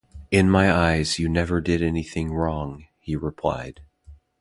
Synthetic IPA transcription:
ɪ̃nmaɪaɪz̥jɨnɛvə˞dɪɾɛniθɪ̃ŋɹɔ̃ŋ | hiɹɪpʰl̥a̰ɪd̥

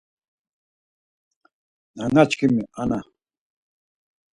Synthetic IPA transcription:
naŋat͡ʃkimɪʔana

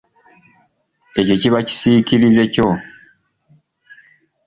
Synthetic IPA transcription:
e̞co̞ciβaci̥siciɾize̞co

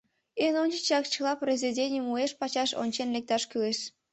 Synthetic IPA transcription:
enonʲt͡ɕit͡ɕɑkt͡ɕəlˠɑprʲezʲedʲenʲjumueʃpɑt͡ɕɑʃo̰nʲt͡ɕenlʲek̚t̪ɑʃkyleʃ

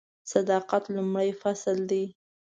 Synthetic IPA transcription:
sad̪ɑqat̪lʊmɽajfasld̪i

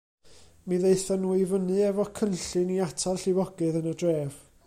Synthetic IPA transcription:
miðejθɔnuivənɨɛvɔkʰənɬɨniatʰalˠɬɪwɔɡɨðənədreːv̥

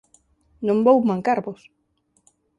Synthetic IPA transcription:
nõmbowmãŋkaɾβʊs

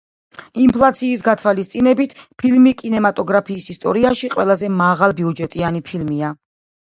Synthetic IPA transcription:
impʰlˠat̪sʰiːs̬ɡat̪ʰwalist̪sʼinɛbit̪ʰpʰilmikʼinɛmat̪ʼɔɡɾapʰiːsist̪ʼɔ̰ɾiaʃiqʼwɛlˠazɛmaʁalˠbiud͡ʒɛt̪ʼianipʰilmia

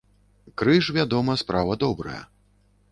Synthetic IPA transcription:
kɾɨʂvʲad̪ɔmɐspɾavɐd̪ɔbɾɐ̰jɐ̰

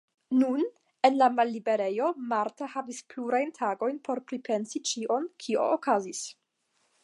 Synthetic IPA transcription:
nun | e̞nlamalːibe̞ɾe̞jo̞maɾtahavispluɾajntʰaɡo̞jnpo̞ɾpɾipʰe̞nsit͡ʃiʔo̞nkʰio̰ʔokazis

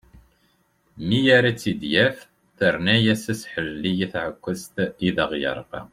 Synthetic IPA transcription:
mijaɾæt͡sːid̪jæf | θəɾnæjæsæsħəlːijiθʕəkʷːəst̪iðəʁjə̰ɾˤqɑ̰

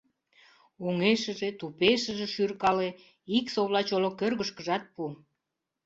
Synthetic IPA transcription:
oŋeʃəʒet̪upeʃəʒĕʃyrkɑle | iksoβlɑt͡ɕolokørɣəʃkəʒɑt̪̚pu

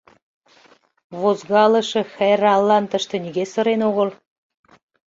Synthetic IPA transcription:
βozɣɑlə̆ʃĕxæɾɑlːɑnt̪əʃt̪ĕniɣesə̆ɾenoɣəl

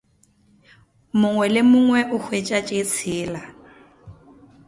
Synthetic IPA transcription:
mʊŋwɛlɪmʊŋwɛʔʊk͡xʰwet͡ʃʼat͡ʃʼet͡sʰɪːla

